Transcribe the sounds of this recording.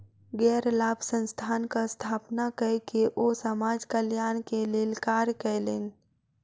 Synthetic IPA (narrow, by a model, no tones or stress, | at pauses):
ɡɛːɾlaːbʱsə̃nst̪ʰaːnkast̪ʰaːpnakəkeʔosəmaːd͡ʒkəljaːnkeleːlkaːɾkəleːn